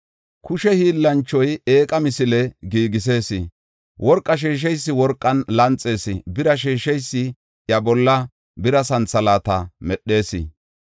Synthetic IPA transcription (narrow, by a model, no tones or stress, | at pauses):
kʊʃɛhiːlːɐnt͡ʃːɔjeːkʼɐmɪsɪlɛɡiːɡɪs̬e̞ːsɪ̰ | wʔɔɾkʼːɐʃ̬iːʃ̬ɛjsːɪwɔɾkʼːɐnlɐnt͡sʼːe̞ːsɪ̰bɪɾɐʃ̬iːʃɛjsːɪ | jɐbɔlːɐ | bɪɾɐsɐnt͡sːɐlaːt̪ɐmɛɗːe̞ːsɪ̰